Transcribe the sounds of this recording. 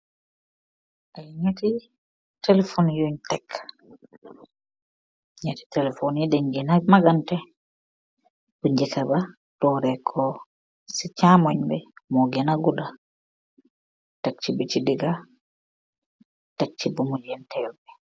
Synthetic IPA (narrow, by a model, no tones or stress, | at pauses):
ʔajɲeti | tɛlɛfonjuɲtɛkː | ɲeti̥tɛlɛfonidɛɲɡɛnamaɡantɛ | buɲd͡ʒɛkaba | tɔɾɛkʰɔ | sit͡ʃamɔɲbɛmɔɡɛnaɡuda | tak̚t͡ʃibit͡ʃidiɡa | tak̚t͡ʃibumɔjɛntɛlbɛ